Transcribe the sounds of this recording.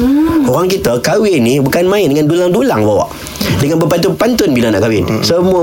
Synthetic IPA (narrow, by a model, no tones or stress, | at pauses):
oʁaŋkit̪akawɪnːibukanmãɪndəŋandulaŋdulaŋbawa̰ʔ | dəŋanbəpant̪̬ʊpant̪ʊnbilanaʔkawɪnsəmuə